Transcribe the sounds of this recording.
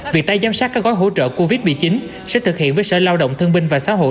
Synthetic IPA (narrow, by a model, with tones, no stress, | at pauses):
vi˨˩ək̚t̪aː˧jzaː˨˧msaː˦˥kaː˦˥k̚ɣɔ˨˦jɦo̰˧˥t͡ɕə̰ː˧˨ko˧vi˦˥t̚mḭ˧˩t͡ɕi˨˦n | sɛ̰˧˥t̪ʰɨ˨˩k̚hḭ˧˨ənvəː˨˦jsə̰ː˧˨˩laː˧wɗə̰˧˨wŋ͡mt̪ʰɨ˧əŋɓï˧ŋ̟vaː˨˩sa̰ː˧˥ɦo̰˧˨